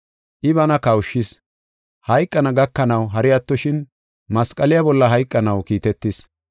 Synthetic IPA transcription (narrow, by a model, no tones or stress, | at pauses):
ʔɪβɐnɐkɐwʊʃːɪs | hɐjkʼːɐnɐɡɐkːɐnɐwɦɐɾɪjɐt̪ːɔʃɪn | mɐskʼɐlɪjɐbɔlːɐɦɐjkʼːɐnɐwkiːt̪ɛt̪ːɪs